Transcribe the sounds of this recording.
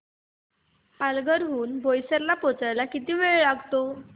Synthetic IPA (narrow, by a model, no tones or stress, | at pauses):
palɡəɾɦuːnbʱojsəɾlapɔt͡sajlakit̪iːʋeɭɭaɡt̪o